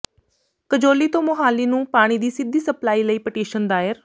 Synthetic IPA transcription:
kəd͡ʒoːliːt̪õːmʊɦaːliːnũːpaːɽ̃iːd̪iːsɪd̪iːsəplaːiːləiːpəʈeːʃənd̪aːɪɾ

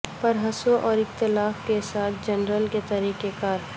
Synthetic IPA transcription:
pɐɾɦɐsoʔɔːɾɪkt̪ɪlaːfkesaːt̪ʰd͡ʒɐnɾəlket̪ɐɾiːkekaːɾ

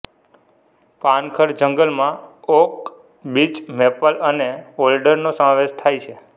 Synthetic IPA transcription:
pãnkʰəɾd͡ʒəŋɡəlmãok | bit͡ʃmepələneolɖəɾnosəmãʋeʃt̪ʰajt͡ʃʰe

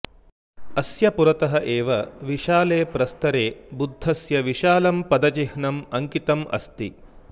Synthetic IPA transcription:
ɐsjɐpuɾɐt̪ɐɦɐʔeːʋɐʋiʃaːleːpɾɐst̪ɐɾeːbud̪ʱːɐsjɐʋiʃaːlɐmpɐd̪ɐt͡ʃihɳɐmɐŋkit̪ɐmʔɐ̰st̪ḭ

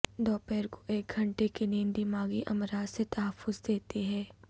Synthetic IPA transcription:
d̪ɔːpɛːɾko̥ʔeːk̚ɡʱɐ̃ɳʈekinĩːnd̪imaːɡiʔɐmɾaːd̪set̪ɐɦəfːʊzd̪eːt̪iɦɛː

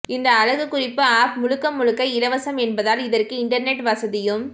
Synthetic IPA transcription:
ɪnd̪ɐːɻɐɣɯkːʊrɪpːɯaːp̚mʊɻɯkːɐmːʊɻɯkːɐɪlɐʋɐsɐmɛnbɐðaːlɪðɐrkɯɪɳɖɐɾnɛʈʋɐsɐðɪjɯm

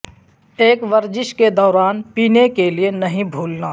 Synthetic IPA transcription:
eːkʋɐɾd͡ʒɪʃked̪ɔːɾaːnpiːnekelienɐɦĩbʱuːlnaː

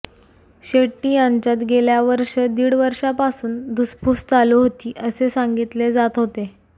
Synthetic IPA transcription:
ɕeʈːijaɲt͡ɕat̪ɡeljaʋəɾʂəd̪iːɽʋəɾʂapasuːnd̪uspust̪aloɦot̪iːʔəsesãŋɡit̪led͡zat̪ɦot̪e

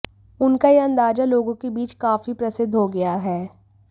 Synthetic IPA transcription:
ʊnkajeɐ̃nd̪aːd͡ʒaloːɡõkebiːt͡ʃkaːfipɾɐsɪd̪ʱɦoɡɐjaɦɛː

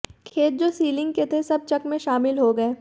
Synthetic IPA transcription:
kʰeːt̪̚d͡ʒoːsiːlɪ̃ŋɡ̚ket̪ʰesɐb̚t͡ʃɐkmẽʃaːmɪlɦoɡɐeː

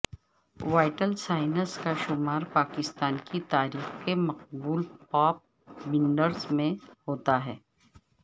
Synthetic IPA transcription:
ʋaːɪʈəlsaːɪnəskaʃʊmaːɾpaːkɪst̪aːnkit̪aːɾiːxkemɐq̚buːlpaːp̚ | bɪ̃ɳɖəɾzmẽhoːt̪aɦɛː

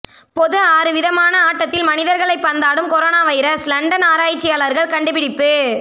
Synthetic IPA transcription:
pɔðɯaːɾɯʋɪðɐmaːnɐaːʈːɐt̪ːɪlmɐnɪðɐɾɣɐɭɐɪpːɐnd̪aːɽɯmkɔɾoːnaːʋɐjɪɾɐslɐɳɖɐnaːɾaːjt͡ʃːɪjaːɭɐɾɣɐɭkɐɳɖɯpɪɽɪpːɯ

